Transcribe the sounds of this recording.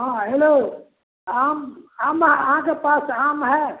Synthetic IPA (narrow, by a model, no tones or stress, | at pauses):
ɦãɦelo | aːmaːmɦɛɐɦãkepaːsaːmɦɛː